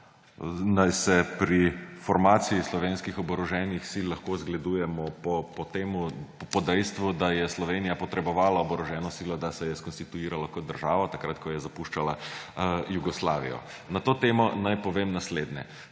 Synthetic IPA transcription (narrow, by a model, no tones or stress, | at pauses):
najsɛpɾifɔɾmaːt̪siislɔʋenskixɔbɔɾɔʒɛːnixsilːaxkoːzɡlɛd̪uːjɛmɔpɔpɔt̪eːmupɔd̪ɛjst̪ʋud̪ajɛslɔʋeːnijapɔt̪ɾɛbɔʋaːlaɔbɔɾɔʒɛːnɔsiːlɔd̪asɛjɛskɔnst̪it̪uiːɾalakɔd̪̚d̪əɾʒaːʋat̪akɾat̪kɔjɛzapuʃt͡ʃala | juɡɔslaːʋḭjɔ̰ | nat̪oːt̪eːmɔnajpɔʋeːmnasleːd̪nʲɛ